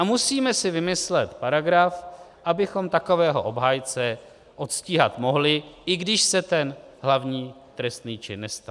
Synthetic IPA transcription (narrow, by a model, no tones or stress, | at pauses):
amusiːmɛsɪvɪmɪslɛt̪paɾaɡɾafʔabɪxo̞mt̪ako̞vɛːɦo̞̰ʔo̞bɦaːjt͡sɛ | ʔo̞t̪sciːɦat̪mo̞ɦlɪʔɪɡdɪʃsɛt̪ɛn | ɦlavɲiː | t̪ɾɛst̪niːt͡ʃɪnːɛst̪a